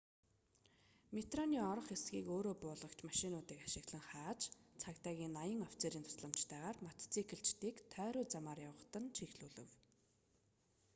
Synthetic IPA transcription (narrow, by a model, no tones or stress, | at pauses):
met̪rɔniːɔɾɞ̆χesɡʲiːkoːɾoːpʊːɮə̆kt͡ɕmaʃɪnʊːt̪iːkaʃɪ̆ɣɮə̆ŋχaːt͡ɕt͡sʰakt̪aːɣʲiːnːajə̆ŋɔw̥t͡seːɾiːnt̪ʰʊ̥sɮə̆m̥t͡ɕt̪ʰæːʁaːrmat̪ʰt͡sʰikʰɘ̆ɬt͡ɕt̪iːkt̪ʰœːɾʊːt͡samaːrjawə̆χt̪ə̆nt͡ɕʰixɮuːɮɘ̆w